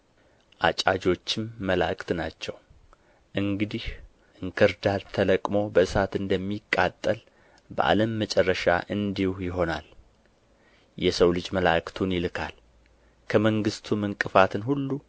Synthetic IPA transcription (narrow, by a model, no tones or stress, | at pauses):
ʔat͡ʃʼad͡ʒo̞t͡ʃːɪmːəla̰kʼt̪nat͡ʃːɛw | ʔɨŋɡɨd̪ih | ʔɨŋkʰɨɾd̪alt̪ʰələkʼmo̞bəɨsat̪ɨnd̪əmːikʼːat̪ʼːəl | bə̰ʔa̰ləmːət͡ʃʼɛrːəʃa̰ʔɨnd̪ihjɪɦo̞nal | jɛsəwlɨd͡ʒməla̰kt̪ʰunjɪlɨkʰal | kʰəməŋɡɨst̪ʰumɨŋkʼɨfat̪ʰɨnhulːu